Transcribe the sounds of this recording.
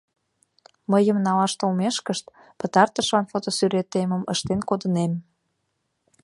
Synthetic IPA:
məjəmnɑlɑʃt̪olmeʃkəʃt̪ | pət̪ɑrt̪əʃlɑnfot̪osyɾet̪eməməʃt̪enkod̪ənem

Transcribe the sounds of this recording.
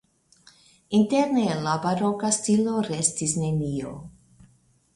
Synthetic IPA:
inteɾnelabaɾokastiloɾestisnenio̰

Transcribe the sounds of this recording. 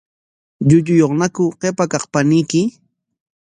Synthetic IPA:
ʎʊʎʊjoχnakʊqepakɑχpanɪjkɪ

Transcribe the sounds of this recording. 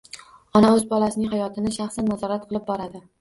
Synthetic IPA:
ɒnaɵzbɒlasɪnɪŋɦajɒt̪ʰɪnɪʃaχsanːazɒɾat̪̚qʰɨlˠɪp̚bɒɾad̪ɪ

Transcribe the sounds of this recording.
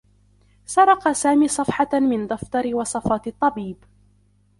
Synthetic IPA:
sɑɾˤɑqɑsaːmiːsˤɑfħɑmɪnd̪ˤɑft̪ˤɑɾɪwɑsˤɑfɑːt̪ɨt̪ˤːɑbiːb

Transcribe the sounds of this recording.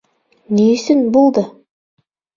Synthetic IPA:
nejsɪnbolˠd̪ə

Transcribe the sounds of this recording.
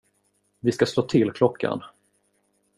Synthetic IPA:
vɪskasloːt̪ʰɪlkʰlɔkːa̰n

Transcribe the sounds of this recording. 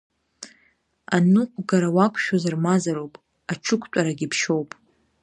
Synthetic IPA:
anuɡaɾawakʷʰʼʃᶣozarmazaɾowpʼ | at͡ʃʰʊkʷʰtʷʼaɾaɡʲipʰʃo̞wpʼ

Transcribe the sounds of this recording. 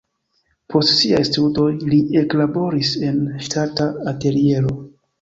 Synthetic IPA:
pʰo̞stsia̰jstudo̞jlie̞klabo̞ɾise̞nʃtataate̞ɾie̞ɾo̞

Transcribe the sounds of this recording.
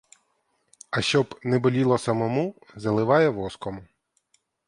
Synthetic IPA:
ɐʃt͡ʃɔbnɛbɔlʲilˠɔsɐmɔmu | zɐlˠɪʋɑjɛʋɔskɔmʊ

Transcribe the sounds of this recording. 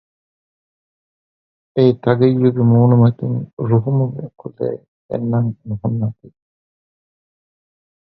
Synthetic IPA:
eːt̪ɐɡejːuɡemuːnumɐt̪uŋɾuɦumuɡ̰ɐkulḛː | ḛnːɐŋnuɦunːaːt̪i

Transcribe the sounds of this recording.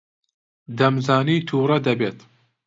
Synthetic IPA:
d̪ɐmzaːniːt̪ʰuːrɐd̪ɐbeːt̪

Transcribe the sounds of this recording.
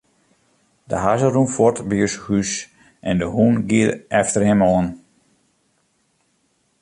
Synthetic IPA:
də̰ɦazərumfɔrtbiøshys | ʔɛndəhunɡiəɾɛftəɾɪmɔːn

